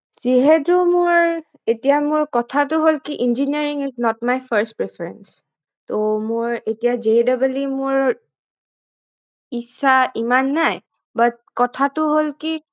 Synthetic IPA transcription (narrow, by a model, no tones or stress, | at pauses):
z̥iɦɛtʊmʊɹ | etijamʊɹkɔtʰatʊɦolkiʔinziniaɹiŋiznɔtmajpʰaɹstpɹɛpʰɛɹɛns | tomʊɹetijazeɛdabalimʊɹ | isːaimanːaj | bat̚kɔtʰatʊɦolki